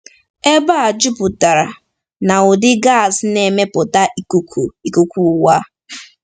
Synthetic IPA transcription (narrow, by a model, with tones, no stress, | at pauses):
e˦ba˦a˨d͡ʒu˦pʊ˨ta˨ɾa˨ | na˨ʊ˨dɪ˦ɡa˦˨sne˨me˦pʊ˨ta˦ku˦ku˨i˨ku˨kʷu˦˨wa˦